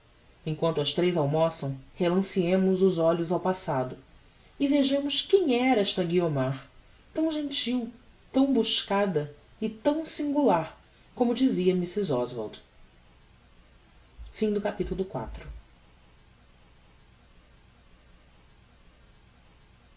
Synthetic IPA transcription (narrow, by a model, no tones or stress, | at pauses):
ẽŋkwɐ̃nt̪ʊɐʃt̪ɾejzawmɔsɐ̃w̃helɐ̃siẽmʊzʊzɔʎʊzawpasad̪ʊ | ɪveʒɐ̃mʊʃkẽɲɛɾɐɛʃt̪ɐɡiomaɾ | t̪ɐ̃w̃ʒẽnt͡ʃiw | t̪ɐ̃w̃buʃkad̪ɐ | ɪt̪ɐ̃w̃sĩŋɡulaɾ | kõmʊd͡ʒiziɐmisizɔzva̰ɾd̪ | fĩd̪ʊkapit̪ulʊkwa̰t̪ɾʊ